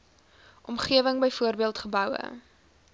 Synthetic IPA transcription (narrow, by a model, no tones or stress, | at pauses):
ʔɔmχiəvəŋbəjfuərbiəlˠtχəbœwə̰